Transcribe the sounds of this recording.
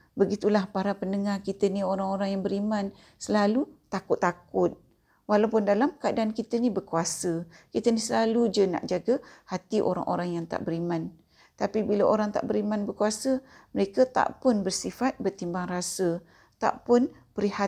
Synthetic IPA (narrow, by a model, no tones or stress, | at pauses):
bəɡit̪ulahpaɾapənəŋarkit̪ənioɾaŋoɾaŋjaŋbəɾimãn | səlalut̪akʊt̪ːakʊt̪̚ | walawpʊndalamkaːdaːnkit̪ənĩbərkuasəkit̪ənisəlalud͡ʒəna̰ʔd͡ʒaɡəhat̪iʔo̰ɾa̰ŋʔo̰ɾaŋjaŋt̪a̰ʔbəɾimãn | t̪apibilaʔoɾaŋt̪aʔbəɾimanbərkuasəməɾekat̪a̰ʔpʊnbərsifat̪̚bərt̪imbaŋrasə | t̪a̰ʔpʊnpəɾiha